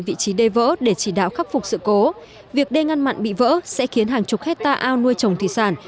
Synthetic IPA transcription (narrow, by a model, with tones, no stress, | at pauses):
vḭ˧˨t͡ɕi˨˦ɗe˧və̰ː˧˥ɗe˧˩t͡ɕi˧˩ɗa̰ː˧˨wxaː˦˥k̚fʊ˨˩k͡p̚sɨ̰˧˨ko˨˦ | vi˨˩ək̚ɗe˧ŋa˧nma̰˧˨nɓḭ˧˨və̰ː˧˥sɛ̰˧˥xi˨˦ənɦaː˨˩ŋt͡ɕʊ˨˩k͡p̚hɛ˦˥k̚t̪aː˧ʔaː˧wnu˧əjt͡ɕə˨˩wŋ͡mt̪ʰi˨˩saː˧˩n